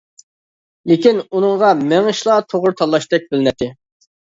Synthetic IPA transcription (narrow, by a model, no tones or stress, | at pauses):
lɪkʲinunɨŋʁɑmɛŋɨʃlˠɑt̪ʰoʁʊɾt̪ʰɑlˠːɑʃt̪ɛk̚ʲbɪlɪnɛt̪ʰːɪ